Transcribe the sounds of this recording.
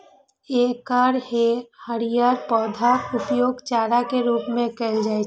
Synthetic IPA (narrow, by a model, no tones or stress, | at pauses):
eːkaːɾhehəɾijaːɾpɔːd̪ʱaʊpjoːɡt͡ʃaːɾakeɾuːpmẽkɛld͡ʒaːe